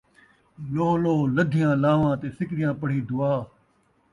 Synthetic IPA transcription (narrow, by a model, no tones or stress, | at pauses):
loːɦloːləd̪ʱɪjãːlaːʋãːt̪eːsɪkɾɪjãːpəɽ̤iːd̪ʊaː